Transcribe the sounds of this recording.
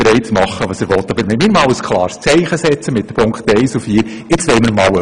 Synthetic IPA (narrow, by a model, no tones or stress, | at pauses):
ɾɛɪt͡smɑχːəʋɑːsəɾʋɔt̪ːɑbəɾmɛɪmɪːɾmɑːwəskʰlˠɑːɾst͡sɛɪχəsɛt͡səmɪt̚d̥əpʰʊŋkχtɛɪsufiːɾ | ɪt͡sʋɛɪməɾmɑːwə